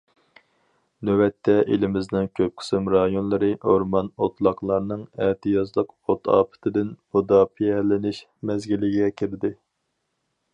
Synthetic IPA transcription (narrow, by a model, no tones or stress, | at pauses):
nøwɛt̪ʰːɛʔelɪmɪznɪŋkʲʰøp̚qʰɪ̥sɪmɾɑjonlˠɨɾɨʔoɾmɑnot̪ʰlˠɑqlˠɑɾnɨŋɛht̪ʰɨjɑzlˠəqot̪ʰɑ̰ːpʰɨ̥t̪ʰɪd̪ɪnbud̪ɑpʰijɛlɪnɪʃ | mɛzɡʲilːɪɡʲɛkʲʰiɾd̪ɪ